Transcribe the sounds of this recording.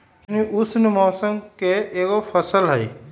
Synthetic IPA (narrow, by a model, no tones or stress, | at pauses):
niʔʊsnɪmɔːsəmkeeːkopʰɐsəlɦɛi